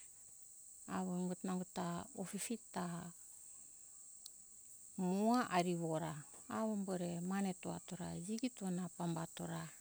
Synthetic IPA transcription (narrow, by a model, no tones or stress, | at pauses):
aβomɡutnaŋɡutaofifita | muaʔaɾiβoɾaː | βomboɾemanetoa̰toɾad͡ʒiɡitonapambatoɾa